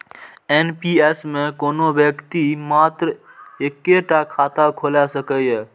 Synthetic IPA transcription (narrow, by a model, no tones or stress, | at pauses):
enpiesmẽkoːnobjəkt̪imaːt̪ɾ | eːkːeʈakʰaːt̪akʰoːlasəkəj